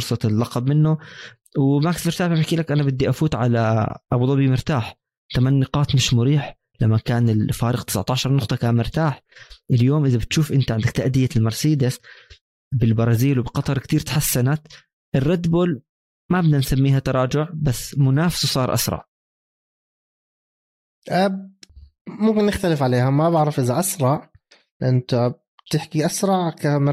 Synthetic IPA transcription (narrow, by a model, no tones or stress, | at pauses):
fʊɾsˤɑt̪ɪlːɑqɑbmɪnːʊ | wmaːksmɪɾt̪aːħabɪħkiːlakʔanabɪd̪ːiʔafuːt̪ʕalaʔɑbd̪ˤɑbimʊɾt̪aːħ | t̪amanːɪqɑːt̪mɪʃmʊɾiːħ | lamːakaːnɪlfaːɾˤɪɣt̪ɪ̥sʕt̪ɑːʃɑɾˤnʊqt̪ˤɑkaːnmɪɾt̪aːħʔɪljoːmʔɪðabɪt̪ʃuːfʔɪnt̪aʕɪnd̪ak̚t̪aʔd̪ɪjːalmɑɾˤsiːd̪as | bɪlbɑɾˤɑːziːlwɪbɪqɑt̪ˤɑɾˤkt̪iːɾt̪ħasːanat̪ | ʔɪrːɑd̪buːl | mabd̪ansamːiːɦhat̪ɑɾˤɑːd͡ʒʊʕbasːmʊnaːfɪ̥swsˤɑːɾˤʔa̰sɾˤɑ̰ʕ | ʔa | mʊmkɪnːɪxt̪alɪfʕaleːhamabɪʕɾɑfʔɪðaʔasɾˤɑʔ | lʔɪnːt̪ab | t̪ɪħkiʔasɾˤɑʕkamɪ